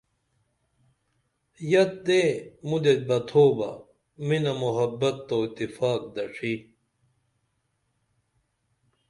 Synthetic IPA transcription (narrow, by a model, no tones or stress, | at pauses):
jɐt̪̚d̪eːmud̪et̪̚bɐt̪ʰoːbɐ̰ | minɐmuɦɐbːɐt̪ːoːit̪ːifaːk̚d̪ɐʂʰi